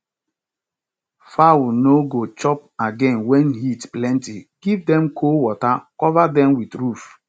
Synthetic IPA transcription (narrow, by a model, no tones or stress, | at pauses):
fawnoɡot͡ʃɔp̚aɡɛ̃nwɛnɦitplɛ̃ntiɡ̥ivdɛ̃mkʰowɔtakɔvadɛ̃mwidɾuf